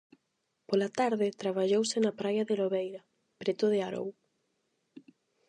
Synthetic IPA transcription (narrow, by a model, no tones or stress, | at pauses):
polat̪aɾðɪt̪ɾaβ̞aʎowsɪnɐpɾajɐðeloβejɾɐ | pɾet̪ʊðɪaɾo̰w